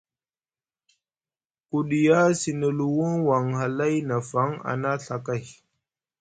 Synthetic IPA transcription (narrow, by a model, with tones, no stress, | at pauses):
ku˨ɗi˨ja˦si˨nə˨lu˨wu˦ŋwa˨ŋɦa˨la˦jna˨fa˨˦ŋa̰˨na˦ɬa˨ka˦˨j